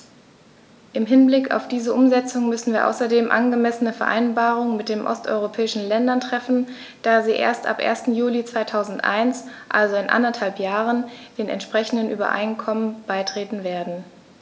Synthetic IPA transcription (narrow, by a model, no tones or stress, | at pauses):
ʔɪmɦɪnblɪka̰ʊfd̥iːzəʔʊmzɛt͡sʊŋəmʏsn̩viːɐʔa̰ʊsɐdeːmʔa̰nɡəmɛsənəfɛɐʔa̰ɪnbaːʁ̞ʊŋəmɪt̚d̥eːmʔɔ̰stʔɔ̰ʏʁopʰɛːɪʃn̩lɛndɐntʁ̥ɛfn̩ | d̥aːziːʔḛːɐstʔa̰pʔḛːɐstn̩juːlit͡sv̥aɪtʰaʊzn̩tʔa̰ɪnsʔa̰lzoɪnʔa̰ndɐthalpjaːʁənd̥eːnɛ̰ntʃpʁ̥ɛçn̩dənʔyːbɐ̰ʔa̰ɪnkʰɔmənb̥aɪtʁ̥eːtn̩veːɐdn̩